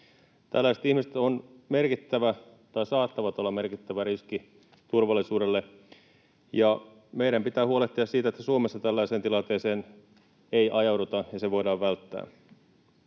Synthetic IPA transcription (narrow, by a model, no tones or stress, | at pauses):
t̪æ̰lːæiset̪ihmiset̪on | me̞rkit̪ːæʋæ | t̪ɑjsɑːt̪ːɑʋɑt̪olːɑmerkit̪ːæʋæɾiski | t̪urʋɑlːˑisuːdelːe | jɑ | meiɾæmpit̪æːhuo̞leht̪iɑssiːt̪æet̪ːæsuomesːɑt̪ælːæiseːnilɑnt̪eːseːn | ejʔɑjɑwdut̪ɑjɑseʋo̞jdɑːʋʋælt̪ːæ̰ː